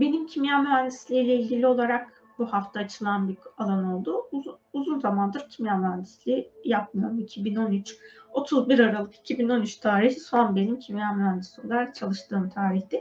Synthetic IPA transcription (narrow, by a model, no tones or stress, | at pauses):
be̞nimcʰimjamyɦænd̪islʲijlʲɛilʲɟilʲio̞lˠaɾak | buhaft̪ʰaːt͡ʃʰɯlˠanbiɾalˠano̞lˠd̪uuzunzamand̪ɯɾcʰimjamænd̪islʲijap̚mɯjoɾmicʰibino̞nyt͡ʃo̞t̪ʰuzbiɾaɾalˠɯki̥cʰibino̞nyt͡ʃt̪ʰaːɾihisanbe̞nimcʰimjamyænd̪isiolˠaɾak̚t͡ʃʰalˠɯʃt̪ɯːmt̪ʰaːɾiçd̪ɪ